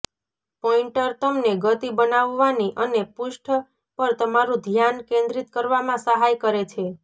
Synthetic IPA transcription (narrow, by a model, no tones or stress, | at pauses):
pɔiɳʈəɾt̪əmneɡət̪ibənaʋːaniʔənepʊʃʈʰə | pəɾt̪əmaɾũd̪ʱjankẽnd̪ɾit̪̚kəɾʋamãsəɦajkəɾet͡ʃʰe